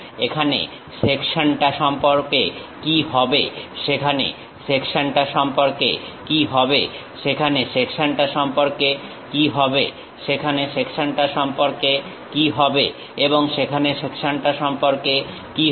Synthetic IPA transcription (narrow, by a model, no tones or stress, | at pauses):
ekʰanḛ | ʃekʃanʈaʃɔmpoɾkekiɦɔbḛʃekʰanḛ | sekʃanʈaʃɔmpoɾkḛ | kiɦɔbḛ | ʃekʰaneʃekʃaɳʈaʃɔmpoɾke | kiɦɔbe | ʃekʰaneʃekʃonʈaʃɔmpoɾke | kiɦɔbe | eboŋʃekʰaneʃekʃonʈaʃɔmpoɾke | ki